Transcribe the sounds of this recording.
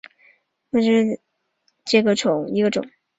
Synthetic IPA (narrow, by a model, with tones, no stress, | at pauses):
wʈ͡ʂɻ̩˥˩ | ʈ͡ʂɤ˥˩ɡə˩ʈ͡ʂʊ˨˩˦ŋi˧˥ɡə˧ʈ͡ʂʊ̰˨˦ŋ